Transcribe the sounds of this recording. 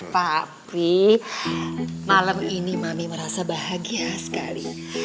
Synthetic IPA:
papi | malaminimamiməɾasabaɦaɡiasə̥ka̰lḭ

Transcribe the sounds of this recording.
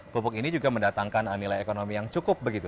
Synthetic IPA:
bupʊkinid͡ʒuɡaməndat̪aŋkanənːilajekonomijaŋt͡ʃukʊp̚bəɡit̪u

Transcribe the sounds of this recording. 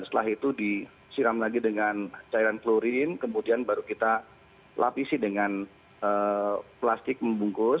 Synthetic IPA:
st̪əlaɦit̪udi | siɾamlaɡidəŋant͡ʃaiɾankloɾɪnkəmudianbaɾukit̪a | lʔa̰pisɪhdəŋan | əplast̪ɪk̚məmbuŋkʊ

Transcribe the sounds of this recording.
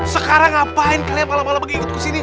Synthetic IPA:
səkaɾaŋapaɪnkaliapalapalabəɡikʊt̪̚kəsini

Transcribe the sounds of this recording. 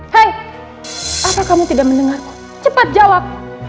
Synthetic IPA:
haj | ʔapakamut̪idak̚mənəŋark | t͡ʃəpat̪̚d͡ʒawap̚

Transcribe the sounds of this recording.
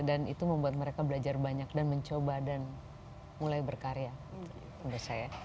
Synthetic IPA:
danit̪uməmbuat̪̚məɾekabəlad͡ʒarbaɲak̚danməɲt͡ʃobadan | mulajbərkaɾea | mbəsaja

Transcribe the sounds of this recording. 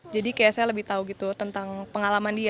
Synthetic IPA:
d͡ʒadikajaʔsajaləbɪht̪auɡit̪ut̪ənt̪aŋpəŋalamandia

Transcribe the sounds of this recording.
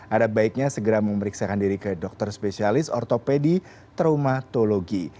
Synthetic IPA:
ʔadabaɪk̚ɲasəɡəɾaməməɾiksakandiɾikɨdɔk̚t̪ərspesialɪsɔrt̪opedi | t̪ɾomat̪oloɡi

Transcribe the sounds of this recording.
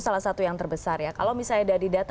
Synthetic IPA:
salahsat̪ujaŋt̪ərbəsarjaka̰lawmisaladadidat̪

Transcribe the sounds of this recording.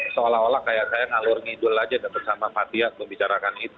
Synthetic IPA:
soolaɦolahkajaʔsajaŋalʊrŋidʊlad͡ʒadapat̪̚samapat̪iaʔpəmbit͡ʃaɾakanit̪u

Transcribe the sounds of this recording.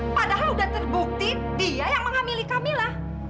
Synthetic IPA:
padaɦaludaht̪ərbuk̚t̪i | diajaŋməŋamilikamilah

